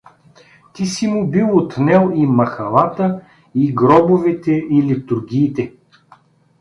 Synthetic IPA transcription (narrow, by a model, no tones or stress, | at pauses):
t̪isimʊbilˠot̪nɛlˠimɐxɐlˠat̪ə | iɡɾɔbʊvɛt̪ɛʔilit̪uɾɡʲiːt̪ɛ